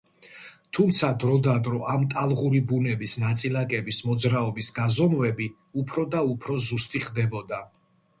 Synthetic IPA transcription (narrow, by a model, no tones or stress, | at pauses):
t̪ʰumt̪sʰad̪ɾɔd̪ad̪ɾɔʔamt̪ʼalˠʁuɾibunɛbisnat̪sʼilakʼɛbismɔd̪zɾaɔbisɡazɔmvɛbi | upʰɾɔd̪aupʰɾɔzust̪ʼiχd̪ɛbɔd̪a